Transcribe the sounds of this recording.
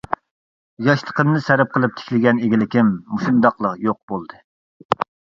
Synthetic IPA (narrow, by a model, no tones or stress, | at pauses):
jɑʃt̪ʰˠə̥qəmnɨsæɾɛp̚qʰəlˠɨp̚t̪ʰɪ̥kʲlɪɡʲɛneɡʲilɪkʲɪmːuʃund̪ɑqlˠəqjoq̚b̥olˠd̪ɨ